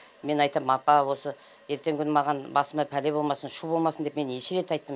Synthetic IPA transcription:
me̞nɑjt̪ɑmɑpɑwo̞sə | je̞ɾt̪e̞ŋkʲʰʏnəmɑʁɑnbɑsəmɑpʰæle̞bo̞lˠmɑsənʃubo̞lˠmɑsənd̪eme̞neʃɪɾe̞t̪ɑjt̪ːəm

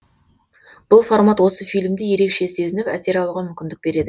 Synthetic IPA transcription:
b̥ʊlˠformat̪wo̞səfijlʲɪmd̪eje̞ɾe̞kʃe̞se̞zɪnɪpæse̞ɾɑlˠuʁɑmʏmʲkʲɪnd̪ɪk̚be̞ɾe̞d̪ɪ

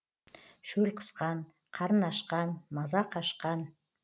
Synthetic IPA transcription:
ʃɵlqʰə̥sqɑn | qʰɑɾənɑʃqɑnmɑzɑqʰɑʃqɑn

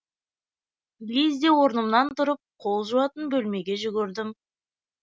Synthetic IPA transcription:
lʲezd̪ewo̞ɾnəmnɑnt̪ʊɾəp̚qʰo̞lˠʒuwɑt̪ənbɵlme̞ɡʲe̞ʒʏɡʲɪɾd̪ɪm

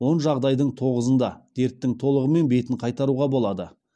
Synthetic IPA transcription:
wo̞nʒɑʁd̪ɑjd̪əɴt̪ʰo̞ʁəzənd̪ɑd̪̥e̞ɾt̪ːɪŋt̪ʰo̞lˠəʁəme̞nbe̞t̪ɪɴqʰɑjt̪ɑɾuʁɑbo̞lˠɑd̪ə

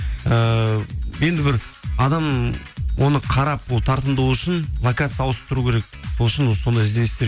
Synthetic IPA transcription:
ə | je̞nd̪ɪbɪɾɑd̪ɑm | wʔo̞nəqʰɑɾɑpwolˠt̪ʰɑɾt̪ənd̪uuʏʃɪnlˠakat̪sɨjɑːw̪ˠəspt̪ʰʊɾukʲʰe̞ɾe̞k̚so̞lˠɪʃɪnso̞nd̪ɑɪzd̪e̞nst̪e

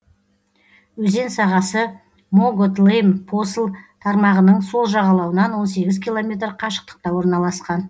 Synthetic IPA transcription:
wɵze̞nsɑʁɑsə | moɡot̪lˠejmpʰo̞səlˠt̪ʰɑɾmɑʁənəɴso̞lˠʒɑʁɑlˠɑwənɑnwo̞nse̞ɡʲɪzkʲijlˠo̞mʲe̞t̪rqʰɑʃə̥q̚t̪ə̥q̚t̪ɑwo̞ɾnɑlˠɑsqɑn

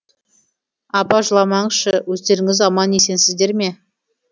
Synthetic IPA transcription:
ɑpɑʒəlˠɑmɑɴʃəwɵzd̪e̞ɾɪŋɪzɑmɑnje̞se̞nsɪzd̪e̞ɾme̞

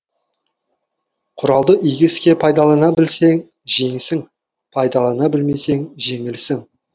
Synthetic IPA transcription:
qʰʊɾɑlˠd̪əʔiɡʲɪskʲe̞pʰɑjd̪ɑlˠɑnɑbɪlse̞ŋ | ʒe̞ŋsɪŋ | pʰɑjd̪ɑlˠɑnɑbɪlme̞se̞ŋʒe̞ŋɪlsɪŋ

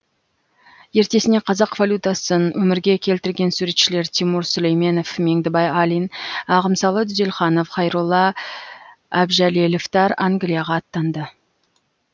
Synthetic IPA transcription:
je̞ɾt̪e̞sɪne̞qʰɑzɑqvalʲut̪asənwɵmɪɾɡʲe̞kʲʰe̞lt̪ɪɾɡʲe̞nsuɾe̞t̪ʃɪle̞ɾt̪ʲʰimuɾsɵlejme̞no̞fme̞ŋd̪ɪbɑjalʲijnɑʁəmsɑlˠəd̪ʏze̞lχɑnofχɑjɾulˠːɑ | æbʒæleloft̪ɑɾaŋɡʲlijɑʁɑːt̪ːɑnd̪ə

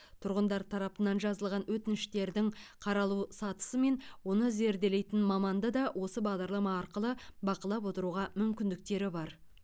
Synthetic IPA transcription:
t̪ʰʊɾʁənd̪ɑɾt̪ʰɑɾɑpənɑnʒɑzəlˠʁɑnwɵt̪ɪnɪʃt̪e̞ɾd̪ɪŋqʰɑɾɑlˠusɑt̪ə̥səme̞nwo̞nəze̞ɾd̪e̞le̞jt̪ɪnmɑmɑnd̪ɑd̪ɑwʔo̞səbɑʁd̪ɑɾlˠɑmɑːɾqəlˠəbɑqəlˠɑpwo̞t̪əɾuʁɑmʏmkʲɪnd̪ɪk̚t̪e̞ɾɪbɑɾ

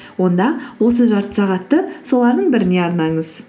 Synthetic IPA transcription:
wo̞nd̪ɑwo̞s̬əʒɑɾt̪ə̥sɑʁɑt̪ːəso̞lˠɑɾd̪əɴbɪɾɪne̞ɑɾnɑɴəz

